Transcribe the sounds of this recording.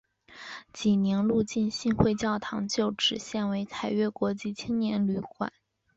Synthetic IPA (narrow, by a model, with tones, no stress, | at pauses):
t͡ɕi˨˩njɛ˧˥nlu˥˧t͡ɕi˥˧nɕi˥˧nxwe˥˧ɪt͡ɕjɑ˥˩ʊt̪ʰɑ˧˥ŋt͡ɕjo˥˩ʊʈ͡ʂɻ̩˨˩ɕjɛ˥˩nwe˧˥ɪt͡s̪ʰa˨˩ɪɥɛ˥˩kwɔ˧˥t͡ɕi˥˩t͡ɕʰi˥ŋnjɛ˧˥nly˧˥˩kwa̰˨˩˦n